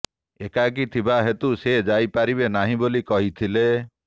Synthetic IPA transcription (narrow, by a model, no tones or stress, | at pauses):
ekak̬it̪ʰibaɦet̪used͡ʒajpaɾibenaɦĩbolikɔɦit̪ʰile